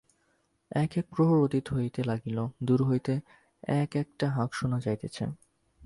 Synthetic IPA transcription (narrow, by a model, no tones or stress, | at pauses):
ɛkek̚pɾoɦoɾot̪it̪ɦojt̪elaɡilod̪uɾɦojt̪e | ɛkɛk̚ʈaɦãkʃonad͡ʑajt̪et͡ɕʰḛ